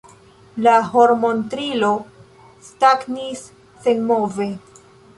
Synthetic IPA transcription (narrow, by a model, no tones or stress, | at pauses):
laɦo̞ɾmo̞ntɾilo̞ | staknis | senmove̞